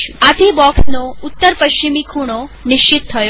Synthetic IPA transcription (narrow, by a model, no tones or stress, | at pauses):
uat̪ʰibɔksnoʊt̪ːəɾpəʃt͡ʃimikʰuɽ̃onɪʃt͡ʃit̪tʰːəjo